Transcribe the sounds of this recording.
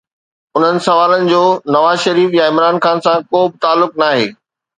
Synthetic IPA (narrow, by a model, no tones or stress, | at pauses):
ʊn̤ənɪ̆sɐʋaːlənɪ̆d͡ʑoːnɐʋaːzʃɐɾiːfjãɪ̃mɾaːnxaːnsãkoːbɪt̪aːlːʊknaːɦḛː